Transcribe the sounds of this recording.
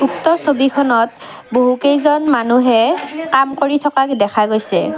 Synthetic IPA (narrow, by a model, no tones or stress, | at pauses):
uktɔsobikʰɔnɔt | boɦukejzɔnmanuɦɛkamkoɹitʰɔkakdɛkʰaɡojsɛ̰